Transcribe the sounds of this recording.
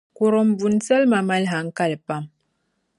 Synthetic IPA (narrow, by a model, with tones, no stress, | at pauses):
ku˨ɾɔ˨m̩˨bu˨n˦t͡sɛ˦lma˨ma˦lɦa˨ŋ̩˦ka˦lpa˦m